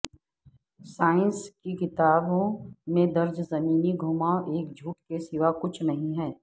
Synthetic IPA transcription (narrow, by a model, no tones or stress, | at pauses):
saːɪ̃nskikɪt̪aːbõmẽd̪ɐɾd͡ʒzɐmiːniɡʱuːmaːʔeːkd͡ʒʱuːʈkesɪʋakʊt͡ʃʰnɐɦĩɦɛː